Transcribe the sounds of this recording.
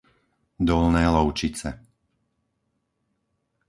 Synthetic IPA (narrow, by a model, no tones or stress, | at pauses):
d̪ɔlnɛːlɔʊt͡ʃit͡sɛ